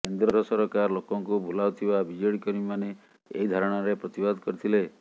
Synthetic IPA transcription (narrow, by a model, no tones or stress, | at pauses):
kend̪ɾɔɾɔsɔɾɔkaɾlokɔŋkubulawt̪ʰibabid͡ʒɔɽikɔɾimane | ḛɦid̪ʱaɾɔɽ̃aɾepɾɔt̪ibad̪kɔɾit̪ʰile